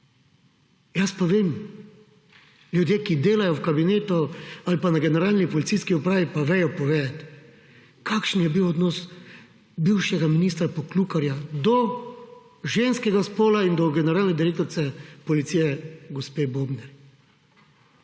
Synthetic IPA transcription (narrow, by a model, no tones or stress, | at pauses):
jaspaʋeːm | lʲjud̪jeːkid̪eːlajɔwkabineːt̪ɔalipanaɡɛnɛɾaːlnipɔlit̪ijskiɔpɾaːʋipaʋɛjɔpɔʋeːd̪at̪ | kʰaːkʃn̩jɛbiwɔd̪nɔs | biwʃjɛɡaminiːst̪ɾapɔklukaɾjad̪ɔ | ʒeːnskɛɡaspoːlaind̪ɔɡɛnɛɾaːlnɛd̪iɾeːk̚t̪ɔɾt̪sɛpɔlit̪sijɛɡɔspeːbobnɛɾ